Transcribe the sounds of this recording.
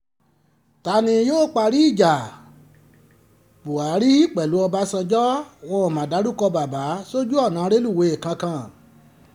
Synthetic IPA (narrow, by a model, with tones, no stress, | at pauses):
ta˧nĩ˧joː˦k͡pa˧ɾi˦i˦˨d͡ʒa˨ | bu˨a˨˦ɾi˦i˦˨k͡pɛ˨lu˨˦ɔ˧ba˦sã˧d͡ʒɔ˦wɔ̃˧ɔ˨mã˨da˨˦du˦˨kɔ˧ba˨ba˨˦so˦d͡ʒu˦ɔ˦˨nã˨˦ɾe˦lu˦˨we˨˧e˨kã˧kã˧˨